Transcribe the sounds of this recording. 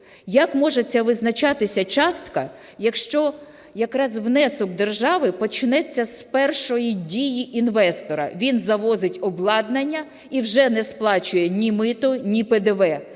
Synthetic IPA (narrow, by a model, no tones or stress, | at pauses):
jɐkmɔʒet͡sʲːɐʋɪznɐt͡ʃɑt̪ɪsʲɐt͡ʃɑst̪kɐ | jɐkʃt͡ʃɔ | jɐkɾɑzwnɛsɔkd̪e̞rʒɑʋɪpɔt͡ʃɪnɛt͡sʲːɐspɛrʃɔjidʲijiʔinʋɛst̪ɔɾɐ̰ʋʲinzɐʋɔzɪtʲɔblˠɑd̪nɐnʲːɐ | iwʒɛnɛsplˠɑt͡ʃʊjɛnʲimɪt̪ɔnʲiped̪eʋɛ